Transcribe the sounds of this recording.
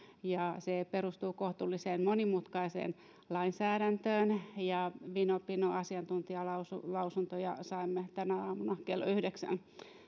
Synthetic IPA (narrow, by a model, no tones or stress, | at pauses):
jɑseperust̪uːkoht̪ulːiseːnmonimut̪kɑisḛːn | lɑinsæːɾænt̪øːnjɑʋinopinoɑsiɑnt̪unt̪iɑlɑusulɑusunt̪ojɑ̰sɑimːet̪ænæɑːmunɑkelːo̰yhdeksæ̰n